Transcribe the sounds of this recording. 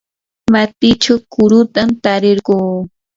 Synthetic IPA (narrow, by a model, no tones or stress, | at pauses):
mat̪ɪt͡ʃawkʊɾʊt̪amt̪aɾeɾɢoː